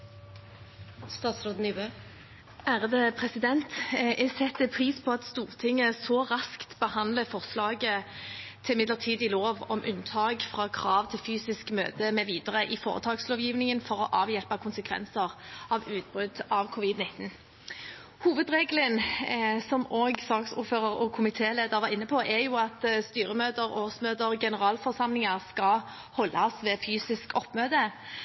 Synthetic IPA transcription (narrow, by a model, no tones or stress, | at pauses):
st̪ɑːt̪sɾoːd̪nybøː | ʔæːʁəd̪əpʰʁɛsɪd̪ɛnt̪ɛsɛt̪ːəpʰʁiːspʰɔɑt̪st̪uːʁt̪ʰɪŋːəsɔʁɑskt̪bəhɑnd̪ləfɔʁslɑːɡət̪ʰɪlmɪd̪ləʁt̪ʰiːd̪ɪloːʋɔ̰mʔʉnt̪ʰɑːɡfʁɑːkʰʁɑːʋt̪ʰɪlfyːsɪskmø̰ːt̪əmɛʋiːd̪əʁəʔɪfoːʁə̰t̪ʰɑːɡsloːʋjiːʋnɪŋənfɔʁɔʔɑːʋjɛlpəkʰʊnsəkʰʋɛ̰nsəʁɑʋʉːt̪̚bʁʉd̪ɑʋkʰʊːʋɪd̪nɪt̪n̩ | huːʋəd̪ʁeːɡlənsɔmoːɡsɑːksʊ̰ːɾføːʁəɾɔkʰʊmɪt̪ʰeːleːd̪əʁʋɑʁɪnːəpʰɔʔɛjuːɑt̪st̪yːɾəmøːd̪əɾoːsmøːd̪əɾɡɛnəʁɑːlfɔʁsɑmlɪŋəʁskɑ | hɔlːɑsʋɛːfyːsɪskɔpːmøːd̪ə